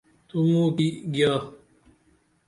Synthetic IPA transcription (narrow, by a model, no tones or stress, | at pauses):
t̪umũːkiɡjaː